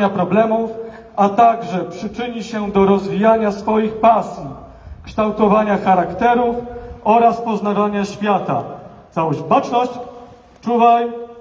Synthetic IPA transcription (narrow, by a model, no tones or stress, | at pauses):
apɾɔblɛmuf | at̪aɡʐɛpʂɘt͡ʂɘɲiɕɛd̪ɔɾɔzvʲijaɲasfɔjixpasʲji | kʂt̪awt̪ɔvaɲaxaɾakt̪ɛɾufɔɾaspɔzn̪avaɲaɕfʲjat̪a̰t̪sawɔʑbat͡ʂnɔɕt͡ɕ | t͡ʂuvaj